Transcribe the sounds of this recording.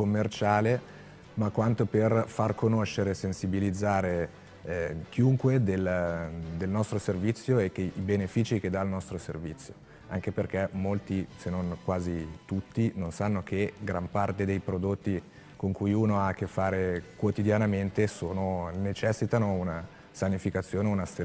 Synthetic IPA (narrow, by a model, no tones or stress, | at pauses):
komːert͡ʃaːle | makwant̪operfarkʰonoʃːeɾesensibilid̪zːaːɾe | k̟iuŋkwed̪eld̪elnɔst̪ɾoservit̪sːjoɛkːeibenefiːt͡ʃik̟ed̪aːlnɔst̪ɾosḛrvit̪sːjo̥ | a̰ŋk̟eperkɛmolt̪isenonkwaːzit̪ut̪ːinonsanːok̟ʰeɡɾampart̪ed̪ejpɾod̪ot̪ːi | koŋkujuːnoak̟ːefːaːɾekwot̪id̪janament̪esoːnonet͡ʃɛsːit̪anouna | sanifikat̪sːjoːneunast̪e